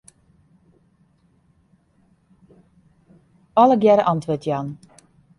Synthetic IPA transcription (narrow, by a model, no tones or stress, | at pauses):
ɑləɡjɛɾʔɑntʋøtjɑn